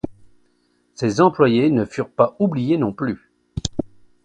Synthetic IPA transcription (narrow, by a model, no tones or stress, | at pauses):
sezɑ̃plwajenəfyʁpaublijenɔ̃ply